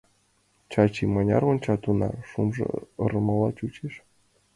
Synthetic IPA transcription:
t͡ɕɑt͡ɕimɤ̆nʲɑ̰rŏnʲt͡ɕɑt̪unɑ̰rʂumʐɤ̰ɤ̆ɾɤ̆mɤ̆lˠɑt͡ɕut͡ɕeʃ

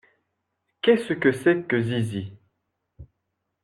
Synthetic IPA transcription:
kɛsəkəsɛkəzizi

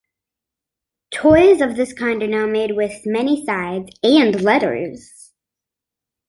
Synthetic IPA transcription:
tʰɔɪzʌvðɪskʰãɪ̃ndə˞naʊmeɪd̚wɪð̥mɛnisaɪdzɨ̃nlɛɾə̰˞z̥

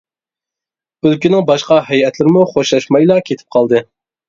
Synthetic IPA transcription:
ølkʲynɪŋbɑʃqɑɦɛjɛt̪ʰlɪɾɪmuχoʃɑʃmɑjlˠɑkʲʰet̪ʰɪ̥p̚qʰɑlˠd̪ɨ

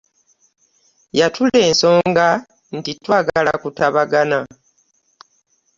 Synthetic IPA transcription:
jatʰule̞ːnso̞ːŋɡa | n̩titwaːɡaala̰kutaβaɡana

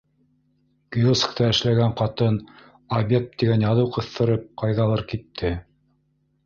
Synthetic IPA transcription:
ɡ̥ijoskt̪ɑɘ̆ʃlæɡæɴqɑt̪ɤn | obʲek̚t̪t̪iɡænjɑðɤwqɤ̆θt̪ɤ̆ɾɤp̚qɑjðɑlˠɤɾkit̪ʰːɘ

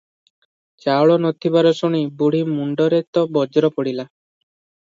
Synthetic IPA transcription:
t͡ʃawɭɔnɔt̪ʰibaɾɔsɔɽ̃ibuɽ̤imuɳɖɔɾet̪ɔbɔd͡ʒɾɔpɔɽila

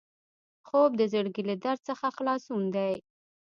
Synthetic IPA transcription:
xob̚d̪əzəɽɡilad̪aɾd̪̚səxaxlɑsund̪aj

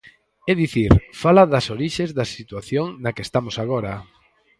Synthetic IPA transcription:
ɛðiθiɾfalaðɐsoɾiʃezðɐsit̪waθjoŋnɐkest̪amosaɣ̞oɾɐ

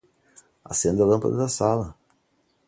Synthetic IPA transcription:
a̰sẽnd̪ɐlɐ̃mpɐ̰d̪ɐd̪ɐsalɐ

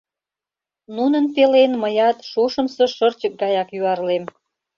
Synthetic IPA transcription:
nunənpelenməjɑt̪ʃuʃəmsə̆ʃərt͡ɕək̚ɡɑjɑkjyɑrlem

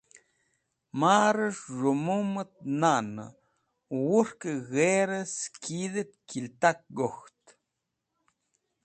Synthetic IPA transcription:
maɾəʂʐomumət̪̚nanə̰ | wuɾkəɣeɾəskiðət̪̚kilt̪ak̚ɡoxt̪

